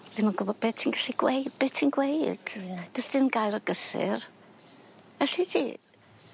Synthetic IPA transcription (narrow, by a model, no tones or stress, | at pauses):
ð̥ɪnmanɡʊbɔd̚bɛtʰinɡaɬiɡwejd̚bɛːtʰinɡwejd̥d̥əsd̥ɪmənɡaɨɾəɡəsɪ̰r | ɛɬitʰi